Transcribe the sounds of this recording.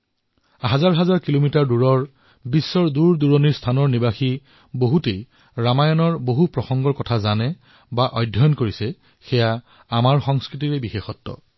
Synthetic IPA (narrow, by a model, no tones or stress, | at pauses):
ɦazaɹɦazaɹkilomitaɹduɹɔɹ | bisːɔɹduɹduɹɔniɹstʰanɔɹnibaxi | boɦutej | ɹamajɔnɔɹboɦupɹɔxɔŋɡɔɹkɔtʰazanɛ | baʔɔjdʱɔjɔnkoɹisɛ | xɛja | amaɹxɔŋskɹitiɹɛbixexɔtːɔ̰